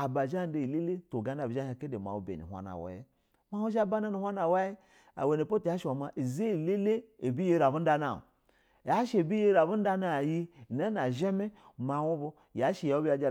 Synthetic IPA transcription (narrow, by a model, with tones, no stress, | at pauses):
a˨ba˨ʒa˦˨˦de˨i˨le˦le˦to˨ɡa˨˦na˨bi˨˦a˦ha˨ke˦de˨ma̰˨wu˨˦bḛ˨nḭ˨a̰˦na̰˨wa̰˦jḛ˦ | ma˦wu˦ʃa˦ba˦na˦ni˨hʷa˦na˨wa˦je˦ | a̰˨we˨ne˨po˦ta˦ʃwa˨ma˨ʔi˨ze˦i˨le˦le˦e˨bi˦je˦ɾa˨bu˦n̩˦da˦na̰˨ | ja˦ʃe˨bi˦je˦ɾa˨bu˦n̩˦da˦na˨ji˦˨na˦na˨ʒe˦me˦˨ | ma˨wu˦bo˦ | ja˨˦ʃi˨ja˨˦u˦bi˦a˨d͡ʒa˦